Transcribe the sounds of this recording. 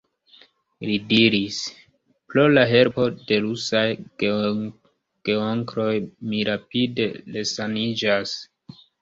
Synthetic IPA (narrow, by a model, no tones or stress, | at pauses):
lidiɾis | plo̞laɦe̞ɾpo̞de̞ɾusaj | ɡ̥eoŋɡɾo̞jmiɾapide̞lesanid͡ʒas